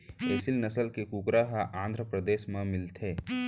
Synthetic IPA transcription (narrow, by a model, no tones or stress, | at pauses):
eːsɪlnɐsəlkekukɾaɦaʔãːnd̪ʱɾəpɾəd̪eːʃmãmɪlt̪ʰeː